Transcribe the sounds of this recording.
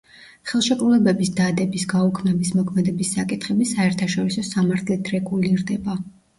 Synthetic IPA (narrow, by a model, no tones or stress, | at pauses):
χɛlˠʃɛkʼɾulɛbɛbisd̪ad̪ɛbisɡaukʰmɛbismɔkʰmɛd̪ɛbisːakʼit̪ʰχɛbisaɛɾt̪ʰaʃɔɾisɔsamaɾt̪ʰlit̪ʰɾɛɡuliɾd̪ɛba